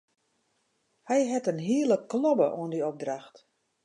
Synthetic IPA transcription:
hɛjɦɛtənɦiələklɔbəʔo̰əndiɔp̚draxt

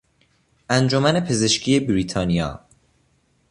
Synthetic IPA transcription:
ʔænd͡ʒomæne̞pʰe̞ze̞ʃcʰiːe̞bɾiːt̪ʰɒːnijɒ̰ː

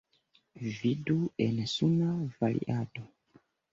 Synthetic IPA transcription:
viduɛnɛsunavalḭʔadɔ

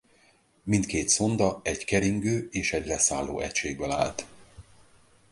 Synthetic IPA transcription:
mint̪keːt̪so̞nd̪ɒɛɟkɛɾiŋɡøːeːʃɛɟlɛsaːlːo̰ːɛ̰cʃeːɡ̚bɛla̰ːlt̪

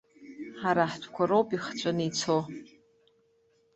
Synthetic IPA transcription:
ħaɾaħtʰkʷʰaɾowpʼiχt͡ʃʷʼɨnit͡sʰo

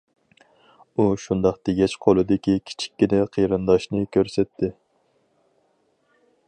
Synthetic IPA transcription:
uʃund̪ɑχt̪ʰɪɡʲɛt͡ʃqʰolˠɨd̪ɪkʲikʲʰi̥t͡ʃʰi̥kʲːinɪqʰəjɾɨnd̪ɑʃnɨkʲʰøɾsɛt̪ʰːɪ

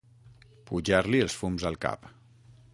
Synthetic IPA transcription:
puʒaɾliəlˠsfumzəlˠka̰p

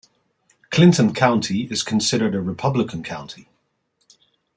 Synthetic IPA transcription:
kʰl̥ɪ̃ntə̃nkʰãʊ̃ntʰiɪz̥kʰə̃nsɪɾə˞dəɹɪpʰʌblɪkʰə̃nkʰãʊ̃ntʰi

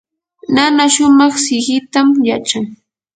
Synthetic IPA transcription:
nanaʃʊmɑχsɪɢɪt̪amjat͡ʃaŋ

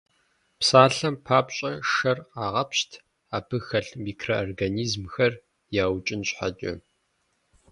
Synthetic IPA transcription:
psaːɬɐmpʰaːpɕʼɐʂɐraːʁɐpɕtʰ | aːbʰɨxɐɬmiːkʰroɔrɡaniːzmxɐr | jaːwt͡ʃʼɪnɕʼħa̰t͡ʃʼɐ̰

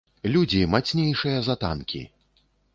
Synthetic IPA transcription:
lʲud͡zʲimat̪sʲnʲejʂɨjɐzat̪a̰nkʲḭ

